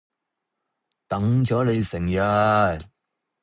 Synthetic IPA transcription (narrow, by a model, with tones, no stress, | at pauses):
t̪ɐ˨˥ŋt͡sɔː˨˥le˨˧jsɪ˨˩ŋjɐ˧t̪